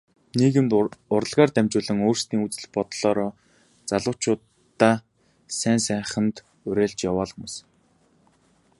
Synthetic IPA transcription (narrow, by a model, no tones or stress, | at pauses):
niːɣɘ̆mt̪ʊɾə̆ɮʁaːrt̪æmt͡ɕʊːɮə̆ŋoːr̥st̪iːŋut͡sɘ̆ɮpɔt̪ɮ̥ɔːɾɔː | t͡saɮʊ̆ːt͡ɕʰʊːt̪ː | aː | sæːnsæːχə̆nt̪ | ʊɾeːɮt͡ɕjawɔːɮxumʊːs